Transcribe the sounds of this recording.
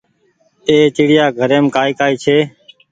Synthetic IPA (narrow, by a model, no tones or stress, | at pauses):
eːt͡ʃɪːɽɪjaːɡʱəɾeːmkaːɪkaːiːt͡ʃʰeː